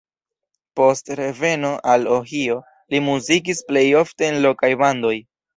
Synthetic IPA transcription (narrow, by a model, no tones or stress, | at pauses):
po̞stɾe̞ve̞no̞ʔaloɦio̞ | limuzik̬isple̞jo̞fte̞ːnlo̞kajbando̞j